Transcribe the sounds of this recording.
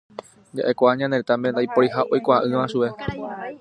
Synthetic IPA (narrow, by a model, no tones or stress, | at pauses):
d͡ʒa̰ʔe̞kʷaɲãnẽt̪ãmbenajpoɾiɦaʔojkʷaʔɨ̃ʋãʃue̞